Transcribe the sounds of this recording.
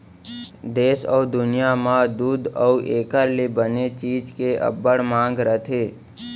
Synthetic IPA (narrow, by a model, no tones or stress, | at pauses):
d̪eːsɔːd̪ʊnijamãd̪uːd̪ɔuʔeːkəɾlebənet͡ʃiːd͡ʒkeʔə̰bːəɽmãːŋɡɾət̪ʰeː